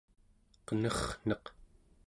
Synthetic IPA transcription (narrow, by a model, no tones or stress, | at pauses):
qənʌχn̥ʌq